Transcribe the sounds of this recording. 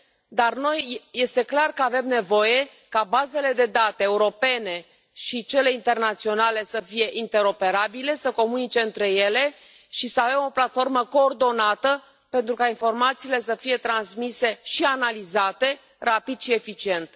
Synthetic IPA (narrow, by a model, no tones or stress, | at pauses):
d̪arno̞jje̞st̪e̞klarkəave̞mne̞vo̞je̞ | kabaze̞le̞d̪e̞d̪at̪e̞ːuɾo̞pe̞ne̞ | ʃit͡ʃe̞le̞int̪e̞rnat̪sio̞nale̞səfije̞ʔint̪e̞ɾo̞pe̞ɾabile̞səko̞munit͡ʃe̞ɨnt̪ɾe̞je̞le̞ | ʃisəave̞mo̞plat̪fo̞rməko̞ːrd̪o̞nat̪ə | pe̞nt̪ɾukainfo̞rmat̪siːle̞s̬əfije̞t̪ɾansmise̞ʃianalizat̪e̞ | rapid̪ʃie̞fit͡ʃie̞nt̪